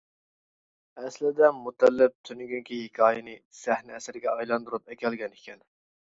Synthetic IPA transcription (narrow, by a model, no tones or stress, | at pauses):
ɛslɪd̪ɛmut̪ʰɛlːɪp̚t̪ʰynyɡʲyŋkʲihɪkʲʰɑːjɨnɨsɛhnɪɛsɪɾɪɡʲɛɑjlˠɑnd̪uɾup̚ɛkʲʰɛlɡʲɛnɪkʲʰɛn